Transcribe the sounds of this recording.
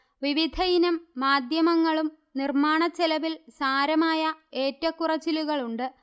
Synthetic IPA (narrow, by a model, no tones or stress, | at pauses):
ʋiʋid̪ʱɐjinɐmːaːd̪ʱjɐmɐŋːɐɭum | nirmaːɳɐt͡ɕːelɐʋilsaːɾɐmaːjɐeːtːɐkːurɐt͡ɕːiluɣɐɭuɳɖɨ